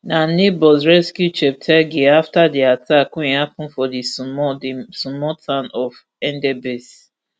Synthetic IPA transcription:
nanebɔsɹɛskjut͡ʃɛp̚tʰɛɡeaftadiatʰakũehapũnfɔdismɔisumɔtʰãnɔf | ɛ̃ndɛbes

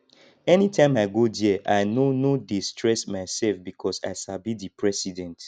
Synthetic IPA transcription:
ɛnitʰãɪ̃maɪɡodiʔaɪnonodistʰɹɛsmaɪsɛlfbikʰɔsa̰ɪsabidipʰɹɛsidɛ̃nt

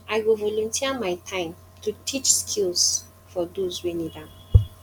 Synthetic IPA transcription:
aɪwilvɔlɔ̃ntʰiəmaɪtʰãɪ̃m | tutʰit͡ʃskʰils | fɔdozwɛnidãn

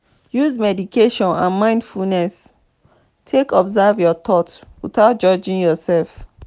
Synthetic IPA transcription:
juzmɛdikʰeʃɔ̃nã̰nmãɪ̃ndfulnɛs | tʰekɔbzavjɔt̪ɔtwiθaʊt̚d͡ʒɔd͡ʒĩŋjɔsɛlf

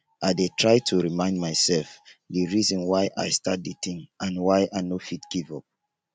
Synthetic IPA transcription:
ʔaɪdetʰɹaɪtʰuɹimãɪ̃ndmaɪsɛlfdiɹizɔ̃nwaɪʔa̰ɪstat̚ditĩŋãnwaɪʔanofitɡ̥ivɔp̚

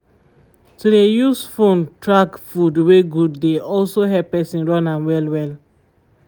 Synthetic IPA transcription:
tudejusfõntʰɹaɡfudweɡudːeɔlsoɦɛpɛsĩnɹɔ̃nãnwɛlwɛl

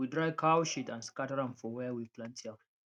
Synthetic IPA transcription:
idɹaɪkʰaʊʃitãnskatəɹãmfɔwɛwiplãntʰiã

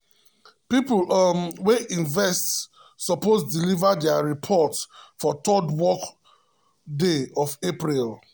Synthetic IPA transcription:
piplmweʔĩnvɛst | sɔposdilivadɛaɹipʰɔtsfɔtʰɔdwɔk | deɔvepɹil

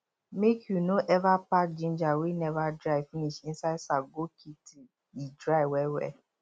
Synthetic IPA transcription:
mekʰjunoʔɛvapak̚d͡ʒĩn̩d͡ʒawenɛvadɾaɪfĩnit͡ʃĩn̩saisaɡokʰiti | idɾaiwɛwɛ̰

